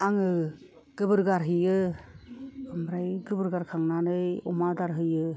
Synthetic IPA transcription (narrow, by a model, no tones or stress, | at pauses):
aŋɯ | ɡ̥ɯbɯɾɡaɾɦɯjɯ | amɾajɡɯbɯɾɡaɾkʰaŋnanɯjɔmadaɾɦɯjɯ